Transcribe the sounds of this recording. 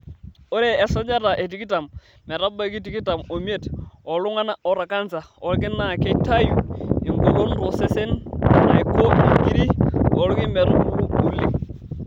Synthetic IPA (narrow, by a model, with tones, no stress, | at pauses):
o˦ɾeː˨sa˦d͡ʒa˦ta˨ʔe˨t̬i˨ki˦ta˨m | mɛ˨ɾa˦ba˦ki˦ti˨ki˦ta˨mo˨m˦e˦˨tɔ˨lʊ˦ŋa˦na˦ɔ˨ɾa˨ka˦nsa˨ɔ˨lkɪ˦na˨ke˦ta˦ju˨ɪ˨ŋɡo˨ɡo˦n˦ɾo˨se˦se˦n˨a˨i˨ko˦i˨ki˦ɾi˦ɔ˨˦lu˦ki˦mɛ˨ɾu˦u˨li˦